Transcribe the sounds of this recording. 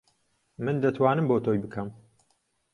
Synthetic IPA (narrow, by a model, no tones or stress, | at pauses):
mɨnd̪ɐt̪ʰwaːnɨmboːt̪ʰoːjbɨkʰɐm